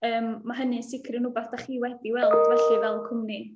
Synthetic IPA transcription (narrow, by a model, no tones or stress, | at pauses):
əːmːaɦənisɪkʰrənʊbaθd̥aχiːwɛdiwɛlˠd̥vɛɬivɛlˠkʰʊmni